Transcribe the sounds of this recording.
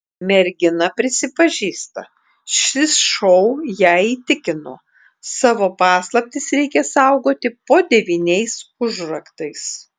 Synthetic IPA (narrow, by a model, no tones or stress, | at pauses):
mʲɛɾʲɡʲɪnɐpʲɾʲɪsʲɪpɐʒʲiːst̪ɐ̰ | ʃʲɪsʃɔʊjæiːt̪ʲɪkʲɪnoː | sɑːʋoːpɑːslˠɐp̚ʲt̪ʲɪsɾʲɛɪkʲɛsɐˑʊɡoːt̪ʲɪpoːd̪ʲɛʋʲiːnʲɛɪsʊʒɾɐkt̪ɐɪs